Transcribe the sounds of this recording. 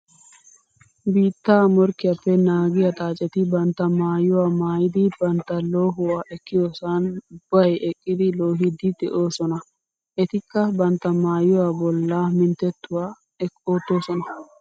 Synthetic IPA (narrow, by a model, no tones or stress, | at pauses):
biːt̪ːaːmɔɾkːɪjɐpːɛnaːɡɪjɐt̪ʼaːt͡ʃʼɛt̪ɪbɐnt̪ːɐmaːjːʊwaːmaːjɪd̪ɪb̥ɐnt̪ːɐloːɦʊwaːʔɛkːɪjo̞ːsanʊb̥ːɐjɛkʼːɪd̪ɪlo̞ːɦɪd̪ɪd̪ɛʔo̞ːsɔnɐ | ʔɛt̪ɪkːɐbɐnt̪ːɐmaːjʊwaːbɔlːaːmɪnt̪ɛt̪ːʊwaː | ɛkʼːo̞ːt̪ːo̞ːsɔnɐ